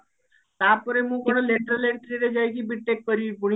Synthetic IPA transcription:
t̪apɔɾemũːkoɽ̃oleʈɾəleʈʈɾiɾed͡ʒajkibiʈːekːəɾipuɳi

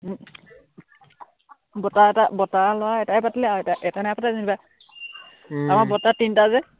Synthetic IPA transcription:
bɔtaɛtabɔtalɔaɛtaɛpatilɛaɛtaʔɛtanaapʰɔtazindiba | amabɔtatintazɛ

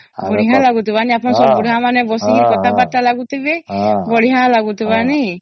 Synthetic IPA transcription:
bɔɽiɦãlaɡut̪ibaniapɔnsɔɾbuɽɦãmanɛbɔsiɦiɾkɔt̪abaʈːalaɡut̪ibɛbɔɽiɦãlaɡut̪ibani

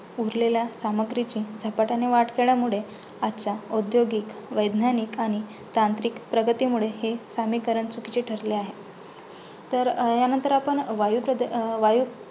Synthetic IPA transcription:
uɾleljasaməɡɾit͡ɕĩːd͡zʱapaʈaneʋaʈkeɭjamuɭe | at͡ɕaod̪joɡikʋəjd̪ʱnanikaɽ̃i | t̪ant̪ɾikpɾəɡət̪imuɭeɦesamikəɾəɳt͡sukit͡ɕeʈʰəɾleaɦe | t̪əɾjanənt̪əɾapəɳʋajupɾəʋaju

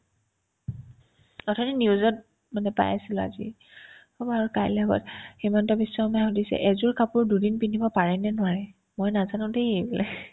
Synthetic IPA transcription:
ɔtʰɔniniʊzɔt̚ | manɛpa̰jasila̰zḭ | ɔbaɹkajlɛɡɔ̰tximantɔbisːɔmajxɔdisɛ̰ʔɛzʊɹkapʊɹdudinpinibɔpaɹɛnɛnʊwaɹɛ | mɔjnazanʊ̃dejejbɔlɛ

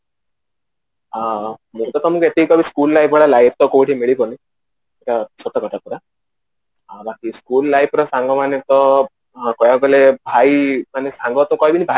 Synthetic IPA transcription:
amũt̪ɔt̪ɔmukuet̪iikɔbiskullajpʰɔɭalajp̚ʰt̪ɔkobiʈʰimiɭipɔɾni | ekasɔt̪ɔkɔʈʰapuɾa | bakiskulːajp̚ʰɾɔsaŋɡɔmanet̪ɔ | kɔjaɡɔlebʱajmanesaŋɡɔt̪ɔkɔɦibinibʱa

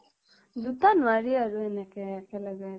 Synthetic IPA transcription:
zut̪anwaɾiaɾuenɛkekelaɡa

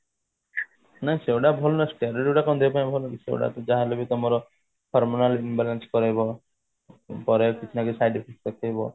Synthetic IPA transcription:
nãsewɽabʱɔlɔnɔsʈaɾɔɾiuɽakɔũd̪ebpaj̃ĩbʱɔlɔkisḛw̰ɽa̰t̪ɔd͡ʒaɦalebit̪ɔmɔɾɔ | pʰɔɾmɔnalinbalanskɔɾajbɔ | pɔɾekit͡ʃʰinakisajɖipʰisi̥ʈ̪ɔkʰɔjbɔ

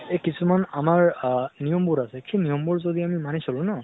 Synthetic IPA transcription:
ekisumanamaɹnijɔmbuɹasɛkʰinijɔmbuɹzod̪iamimanisɔlʊ̃na

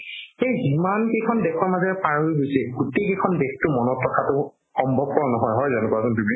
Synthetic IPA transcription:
xejzimankekʰɔndɛkʰɔɹmazɛpaɹoiɡojsɛɡutekekʰɔnbekʰtʊmɔnɔtɹɔkʰatʊ | xɔmbʱɔb̚kɔɹɔnɔɦɔjɦɔjzɔnɛkuakɔntubi

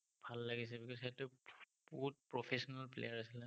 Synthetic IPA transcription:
b̥ʱalːaɡis̬ɛbikɔsetʊ | b̥uɦut̚pɹɔpʰesɔnalplḛjaɹasilɛ

